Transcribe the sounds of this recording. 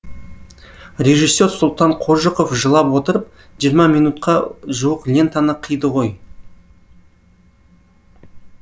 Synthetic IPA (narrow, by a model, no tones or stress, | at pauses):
rʲe̞ʒisːe̞ɾsʊlˠt̪ɑɴqʰoʒəqofʒəlˠɑpwo̞t̪əɾəp̚ | ʒijəɾmɑmijnut̪qʰɑʒuwəqlʲe̞nt̪ɑnəqʰəjd̪əʁo̞j